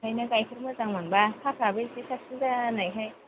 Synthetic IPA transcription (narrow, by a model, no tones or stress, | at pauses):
ajnaɡajkʰɯɾmazaŋmanbakʰapʰɾabelsisʰak̚sinzanajɦaj